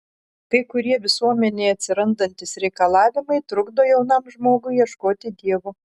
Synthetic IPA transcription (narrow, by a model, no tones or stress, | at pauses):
kɐɪkʊɾʲiɛʋʲɪsuɔmʲɛnʲɛɪɐt̪ʲsʲɪɾɐnd̪ɐnʲt̪ʲɪsɾʲɛɪkɐlˠɑːʋʲɪmɐɪt̪ɾʊɡd̪oːjɛʊnɐmʒmoːɡʊɪjiɛʃkoːt̪ʲɪd̪ʲiɛʋoː